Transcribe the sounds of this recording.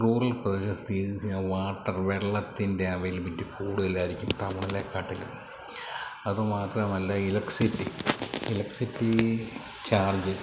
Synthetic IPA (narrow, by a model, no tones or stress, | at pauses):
ruːrɐlprɐɕɐst̪iːʋaːʈːɐrʋeɭːɐt̪ːinde̞ɐʋɐjilpɐtːukuːɽuðɐlːaːjiɾikʲːumt̪ɐmɐɳileːkːaːʈːilṵ | ɐðɨmaːt̪rɐmɐlːɐilɐksitːiilɐksitːi | t͡ɕaːrd͡ʑɨ